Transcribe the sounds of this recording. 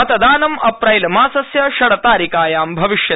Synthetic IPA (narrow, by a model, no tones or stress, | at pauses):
ɐt̪ɐd̪aːnɐmɐpɾɐjlɐmaːsɐsjɐʃɐɽɐt̪aːɾikaːjaːmbʱɐʋiʃjɐ